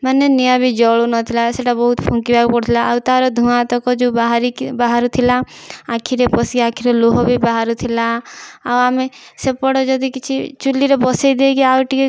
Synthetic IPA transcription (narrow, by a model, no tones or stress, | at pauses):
manenijabʱid͡ʒɔɭunɔt̪ʰilaeseʈabɔɦut̪pʰũŋkibaɡpɔɽt̪ʰilaʔawt̪aɾɔd̪ʱũãt̪ɔkɔd͡ʒubaɦaɾibaɦaɾut̪ʰilaakʰiɾepɔsiakʰiɾeloɦɔbʱibaɦaɾut̪ʰilaawamesepɔɽɔd͡ʒɔd̪ikit͡ʃʰit͡ʃulːiɾɔbɔsed̪ekiawʈi